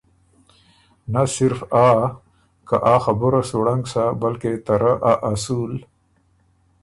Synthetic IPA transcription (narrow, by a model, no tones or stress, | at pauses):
nasɪɾfaː | kaʔaːxabʊɾasoɽaŋɡsabalket̪aɾaʔaʔasul